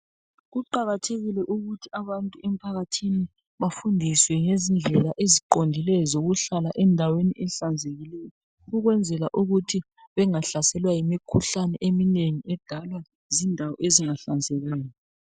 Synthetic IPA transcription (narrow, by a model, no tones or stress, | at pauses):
ɣuǃaɣatʰeɣilɛʔuɣutʰiaβantʼuʔɛm̩pʰaɣatʰini | βafundʱiswɛŋezind͡ɮʱɛlaʔeziǃondʱilɛzoɣuɬalaʔɛndʱaweniʔɛɬand͡zʱeɣilɛjɔ | uɣwɛnd͡zʱɛlaʔuɣutʰi | βɛŋaɬasɛlwajimikʰuɬanɛʔemineŋiɛd̥ʱalwa | zindʱawɔ̰ʔeziŋaɬand͡zʱɛɣaːjɔ